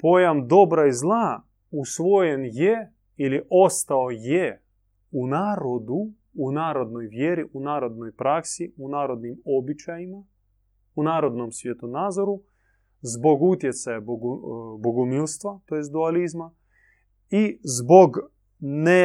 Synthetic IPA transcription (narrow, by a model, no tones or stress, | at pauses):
po̞jamd̪o̞bɾaizlˠa | usʋo̞jenje | iliʔo̞st̪aoje | unaːɾo̞d̪uː | naːɾo̞d̪no̞jʋjeɾiʔunaːɾo̞d̪no̞jpɾaksiunaːɾo̞d̪nimo̞bit͡ʃajima | unaːɾo̞d̪nomsʋjet̪onaːd̪zoɾu | zbo̞ɡut̪je̞t̪sajabboɡumilˠst̪ʋat̪ojesd̪ualizma | izbo̞ɡ | ne